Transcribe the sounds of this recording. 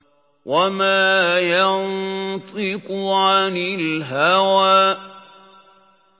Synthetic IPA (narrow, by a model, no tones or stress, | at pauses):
wʔamaːjɑnt̪ˤɪkʕaanɪlɦawaː